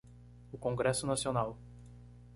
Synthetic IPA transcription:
ʊkõŋɡɾɛsʊnasionaw

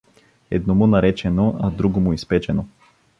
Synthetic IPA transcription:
ɛ̰d̪nomʊnɐɾɛt͡ʃɛnoɐd̪ɾuɡomʊispɛt͡ʃɛno

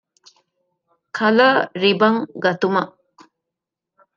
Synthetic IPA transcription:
kʰɐlɐɾibɐŋɡɐt̪umɐ

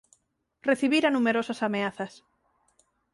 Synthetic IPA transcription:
reθiβiɾanumeɾosasameaθɐs

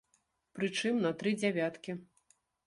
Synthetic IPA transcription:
pɾɨt͡ʂɨmnɐt̪ɾɨd͡zʲɛvʲat̪kʲi

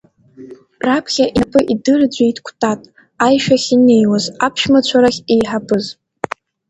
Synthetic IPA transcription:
rapʰχʲaʔipʰʼɨʔidɨrd͡ʑʷajtʰkʷʰtʼatʼ | ajʃᶣaχʲine̞jwazapʰʃmat͡ɕʷʰaɾaχʲejħapʰʼɨz

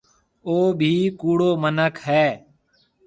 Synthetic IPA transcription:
oːbʱiːkuːɽoːmənəkʰɦɛː

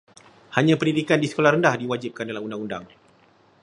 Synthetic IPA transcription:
haɲãpəndidikandisə̥kolahrɾəndahdiwad͡ʒip̚kandalamundaŋunda̰ŋ

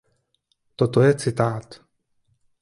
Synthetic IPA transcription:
t̪ot̪oet͡sʰit̪aːt̪

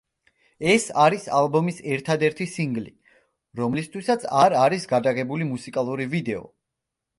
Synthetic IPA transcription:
ɛsaɾisa̰lˠbɔmisɛɾt̪ʰad̪ɛɾt̪ʰisiŋɡlḭ | ɾɔmlist̪ʰwisat̪sʰaɾaɾisɡad̪aɣɛbulimusikʼalˠuɾivid̪ɛɔ̰

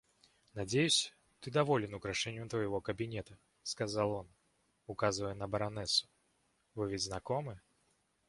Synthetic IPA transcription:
nad͡zʲejusʲɐ̥ | t̪ɨd̪avɔlʲɛnukɾaʂɛnʲːut̪vɐjɣɔkɐbʲinʲɛt̪ɐ | skazalˠɔn | ukazvəjɛnɐbɐɾanɛsʊ̥ | vɨvʲɛd͡zʲznakɔmɨ

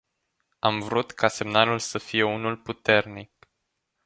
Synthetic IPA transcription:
amvɾut̪kase̞mnalulsəfije̞unulput̪e̞rnik̚

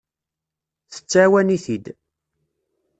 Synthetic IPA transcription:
θə̥t͡sːæwæniθid̪

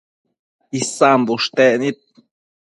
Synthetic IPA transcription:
isambuʂt̪eʔnĩt̪̚

